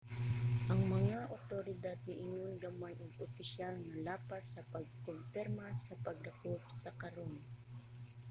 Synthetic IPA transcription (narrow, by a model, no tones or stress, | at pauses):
ʔɐŋmɐŋaʔot̪oɾɪd̪ad̪̚nɪʔɪɲonɡamanʔoɡʊpɪʃalnɐlaːpasːɐpɐɡ̚konfɛɾmasɐpɐɡlɐkobsɐkɐɾon